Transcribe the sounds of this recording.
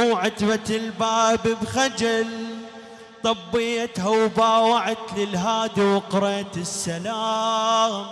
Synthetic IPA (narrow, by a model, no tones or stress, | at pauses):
ʕat̪bat̪ɪlbaːbbxad͡ʒal | t̪ˤɑbːɪjat̪hawbaːwaʕat̪lɪlɦaːd̪iwqʊɾeːt̪ɪsːalaː | m